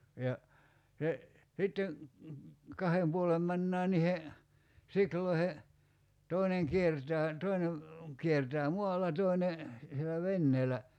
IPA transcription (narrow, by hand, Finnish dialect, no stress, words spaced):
jɑ se sitːen̞ kɑhem puolem mænːæː nihe sikloihe toineŋ kiertæː toine kiertæː muɑlɑ toine sielæ ʋenːeːlæ